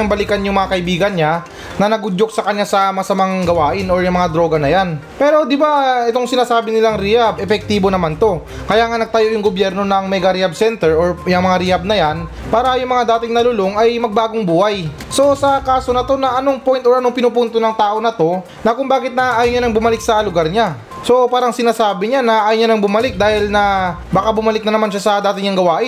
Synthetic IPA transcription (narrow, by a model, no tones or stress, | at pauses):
ŋbɐlikɐnjʊŋmɐŋakɐʔɪbiːɡɐnɲa | nɐnɐɡʊd͡ʒok̚sɐkɐɲːasɐmɐsɐmaŋŋɡɐwaːʔɪnoɹjʊŋmɐŋad̪ɾo̞ːɡɐnɐjan | pɛːɾo̞d̪ɪbaɛt̪o̞ŋsɪnaːsaːbɪnɪlaŋɾijabʔɛfɛk̚t̪iːbo̞nɐmant̪o̞ | kɐjaːŋɐnɐɡ̚t̪ɐjo̞jʊŋɡobjɛɾno̞nɐŋmɛɡɐɾɪabsɛnt̪ɛɹoɹjɐŋmɐŋaɾɪjab̚nɐjan | paːɾɐjʊŋmɐŋad̪aːt̪ɪŋnɐlʊlo̞ŋɐjmɐɡ̚baːɡoŋbuːhaj | so̞sɐkaːso̞nɐt̪o̞nɐʔɐnoŋpo̞jnt̪oɹʔɐno̞ŋpɪnupunt̪onɐŋt̪aːʔo̞nɐt̪o̞ | nɐkʊŋbaːɡɪt̪̚nɐʔaːjoɲanɐŋbʊmɐlɪk̚sɐlʊɡaɾɲa | so̞paːɾɐŋsɪnaːsaːbɪɲanɐʔaːjoɲanɐŋbʊmɐlɪk̚d̪aːhɪlnɐ | baːkabʊmɐlɪk̚nɐnɐmanʃasɐd̪aːt̪ɪɲɐŋɡɐwaːʔɪ